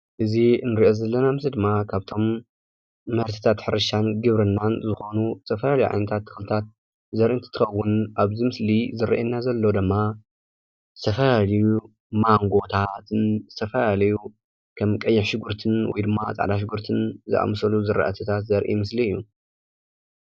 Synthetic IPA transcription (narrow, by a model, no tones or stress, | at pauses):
ʔɨzinɨɾiʔo̞zɐlːɐnamɨzid̪ɨmːakʰaβt̪ʰo̞mː | ɐɾt̪ʰi̥t̪ʰat̪ħɨɾɐʃanɡɨβɾɨnːanzɨxo̞nuzɨt̪ʰɐfɐlalijuʕa̰jnɐt̪ʰat̪ːɨ̥xlɨt̪ʰat̪̚ | zɐɾʔint̪ʰi̥t̪ʰɨxɐwːʊnaβzimɨslizɨɾɐ̰ʔenːazɐlːod̪ɨmːa | zɨt̪ʰɐfɐlalɐju | maŋɡo̞t̪ʰat̪nzɨt̪ʰɐfɐlalɐju | kʰɐmkʼɐjːɪħʃɨɡuɾt̪ʰɨnwɔ̰jd̪ɨmːat͡sʼa̰ʕd̪aʃ̬ɪɡuɾt̪ʰɨnzɨ̰ʔa̰msɐluzɨɾa̰ʔa̰t̪ʰɨt̪ʰat̪zɐɾʔḭmɨsliɨjːu